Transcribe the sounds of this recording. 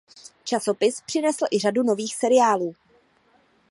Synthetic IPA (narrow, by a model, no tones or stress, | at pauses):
t͡ʃaso̞pɪspr̝̥ɪnɛsl̩ʔɪr̝aduno̞viːxsɛɾɪjaːluː